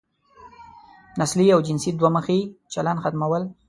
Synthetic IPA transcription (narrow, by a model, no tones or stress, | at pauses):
nasliawd͡ʒɪnsid̪waməxit͡ʃalanxat̪mawəl